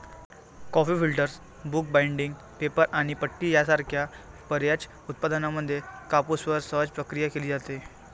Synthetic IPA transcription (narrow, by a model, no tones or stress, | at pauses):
kɔfiːfilʈəɾs | buk̚baiɳɖiŋɡ | pepəɾʔaɽ̃ipəʈːiːjasaɾkʰja | pəɾjat͡ɕ | ut̪̚pad̪ənaməd̪ʱːjekapusʋəɾsəɦəd͡zpɾəkɾijakeliːd͡zat̪e